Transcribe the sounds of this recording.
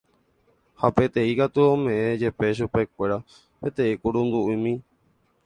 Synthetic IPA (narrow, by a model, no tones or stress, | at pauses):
hape̞t̪ẽ̞ikat̪uõmẽ̞ẽd͡ʒe̞pe̞ʃ̬upe̞kʷe̞ɾa | pe̞t̪ẽ̞ikuɾũnd̪uʔimĩ